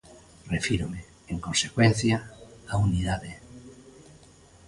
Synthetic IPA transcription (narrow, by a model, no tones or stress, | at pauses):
refiɾome | eŋkonsekwen̟θjaauniðaðe